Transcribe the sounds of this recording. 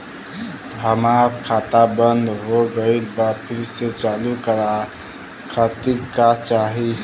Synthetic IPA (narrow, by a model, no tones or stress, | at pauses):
əmakʰat̪abənd̪ʱɦoɡəɪlbapʰiɾset͡ʃalukəɾa | kʰat̪iɾkat͡ʃaɦi